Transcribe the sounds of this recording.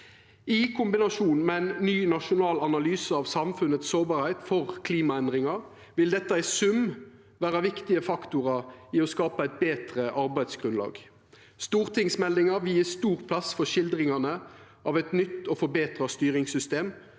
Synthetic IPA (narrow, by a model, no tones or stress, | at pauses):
ɪkʰʊmbɪnɑʂuːnmɛæɪnːyːnɑʂʊnɑːlɑnɑlyːsəɑʋsɑmfʉnət̪ssoːbɑːɾhæɪt̪fɔʁkʰliːmɑɛnd̪ʁɪŋɑ | ʋɪld̪ɛt̪ːəæɪsʉm | ʋæːʁɑʋɪkt̪ɪəfɑkt̪ʊʁɑɪɔskɑːpəæɪt̪̚beːt̪ʁəʔɑɾbæɪd̪sɡ̥ʁʉnlɑ̰ːɡ | st̪uːʁt̪ʰɪŋsmɛlːɪŋɑʋɪiːst̪uːʁpʰlɑsfɔʂɪld̪ʁɪŋɑnəʔɑːʋɛt̪nʏt̪ːɔfɔbeːt̪ʁɑst̪yːɾɪŋsʏst̪eːm